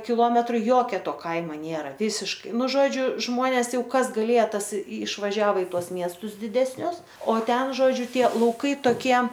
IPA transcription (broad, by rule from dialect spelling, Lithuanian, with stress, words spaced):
kʲɪˈlˠoːmʲɛtrʊ ˈjoːkʲɛ ˈtoː ˈkɐɪmɐ ˈnʲeːrɐ ˈʋʲiːsʲɪʃkɐɪ ˈnʊ ˈʒoːd͡ʒʲʊ ˈʒmoːnʲeːs ˈjɛʊ ˈkɐs ɡɐˈlʲeːjɛ ˈtɐs ɪʃʋɐˈʒʲæːʋoː ɪ ˈtuɔs ˈmʲiɛstʊs dʲɪdʲɛsʲˈnʲʊs oː ˈtʲɛn ˈʒoːd͡ʒʲʊ ˈtʲiɛ lˠɐʊˈkɐɪ toːˈkʲiɛ